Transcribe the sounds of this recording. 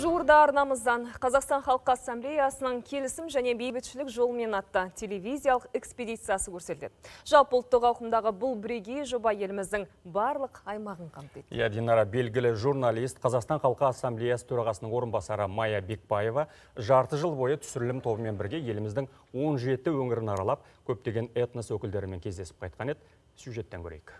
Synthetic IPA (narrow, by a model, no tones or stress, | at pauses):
ʒuwəɾd̪ɑːɾnɑməzd̪ɑɴqʰɑzɑqst̪ɑnχɑlˠqəɑsːamblejasənəɴkʲʰe̞lɪsɪmʒæne̞be̞jbɪt̪ʃɪlɪkʒo̞lˠəme̞nɑt̪ːɑtʲʰe̞le̞vʲijzijalˠəqe̞kspʲed̪ʲijt̪sɨjasəkʲʰɵɾse̞t̪le̞d̪̥ɪʒ̥ɑlˠpəʊlˠt̪ːəqɑwqəmd̪ɑʁəbʊlˠbɪɾe̞ɡʲe̞jʒo̞bɑje̞lɪmɪzd̪ɪŋbɑɾlˠəqɑjmɑʁəɴqʰɑmt̪ejt̪jɑ̰d̪enɑɾɑbe̞lɡʲɪlɪʒuɾnalʲijst̪qʰɑzɑqst̪ɑnχɑlˠqəasːamblejasə̥t̪ʰɵɾɑʁɑsənəɴwo̞ɾənbɑsɑɾəmɑjɑbe̞k̚baje̞vɑ | ʒɑɾt̪əʒəlˠbo̞jət̪ʰʏ̥sʏɾɪlɪmt̪ʰo̞bəme̞nbɪɾɡʲe̞je̞lɪmɪzd̪ɪŋ | wo̞nʒe̞t̪ɪwɵŋɪɾɪnɑɾɑlˠɑp̚kʲʰɵp̚t̪e̞ɡʲe̞net̪nəswɵkʲɪld̪e̞ɾɪme̞ŋkʲʰe̞zd̪e̞sɪ̥pqʰɑjt̪̚qɑne̞d̪ | sʲjuʒe̞t̪ːeŋkʲʰɵ̰ɾejk